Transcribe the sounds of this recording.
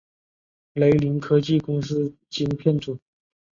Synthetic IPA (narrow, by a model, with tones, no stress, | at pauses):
le˧˥ɪli˧˥ŋkʰɤ˥t͡ɕi˥˩kʊ˥ŋsɹ̩˥ | t͡ɕi˥npʰjɛ˥˩nʈ͡ʂu˨˩˦